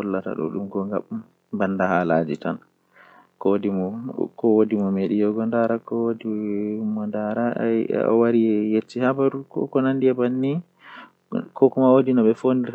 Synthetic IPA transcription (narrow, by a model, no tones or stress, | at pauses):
ɔlːata̰ɗɔ̰ɗumɡɔŋɡa̰m | bandahalad͡ʒitan | kɔdimɔkɔwodimɔmeɗijɔɡɔndaɾakɔwodimːɔndaɾa̰ɔ̰waɾiɛjet͡ʃːihabaɾukɔ̰kɔnandiɛbanːi | kʰɔkumaodinɔɓɛfondiɾ